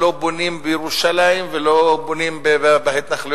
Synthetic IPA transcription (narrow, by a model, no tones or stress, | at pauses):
o̞bonimbejeʁuʃalaimvelobonimbebbahet̪naχli